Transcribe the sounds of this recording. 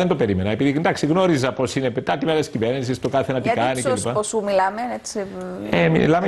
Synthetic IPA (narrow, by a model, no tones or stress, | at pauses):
end̪ope̞ɾimenɐepiðind̪ɐksiɣno̞ɾizɐpo̞sine̞pet̪ɐt̪imelesciveɾnis̬ist̪o̞kɐθenɐt̪ikɐnikelipɐposumilɐmeet͡siemḭlɐme